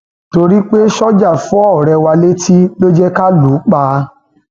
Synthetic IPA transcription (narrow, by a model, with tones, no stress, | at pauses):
to˧ɾi˦k͡pe˦ʃɔ˦d͡ʒa˦˨fũ˨˦ɔ˦˨ɾɛ˧wa˧le˦tʰi˦lo˦d͡ʒɛ˦ka˦lu˨˦k͡paː˦